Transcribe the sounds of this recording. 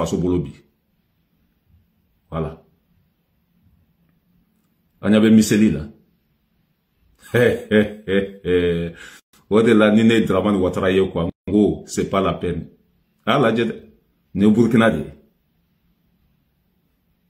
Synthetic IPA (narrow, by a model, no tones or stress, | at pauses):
asobolobi | wala | ã̰ɲabɛmiselila̰ | odelaninedɾamãniwataɾajekwaŋɡosepalapɛni | alad͡ʒɛtɛ | nebuɾikinadḛ